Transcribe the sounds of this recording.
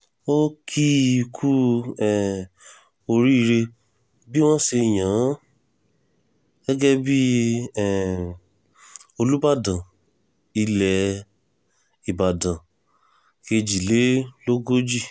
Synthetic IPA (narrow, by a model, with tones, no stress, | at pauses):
o˦kʰi˦˧kʰu˦ɛ˨ | o˧ɾi˦i˧ɾe˧ | bi˦w̃ɔ̃˦ʃe˧˨j̃ã˨˦ | ɡ̥ɛ˦ɡɛ˦bi˦ɛ˨ | o˧lu˦ba˦˨dã˨ | i˧lɛ˨ | i˨ba˨dã˨ | ke˧d͡ʒi˨le˨˦lo˦ɡo˦d͡ʒi˦˨